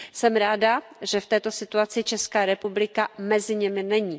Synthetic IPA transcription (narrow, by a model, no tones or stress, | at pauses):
sɛmɾaːda | ʒɛft̪ɛːt̪o̞sɪt̪uat͡sɪt͡ʃɛskaːɾɛpublɪkamɛzɪɲɛmɪnɛɲiː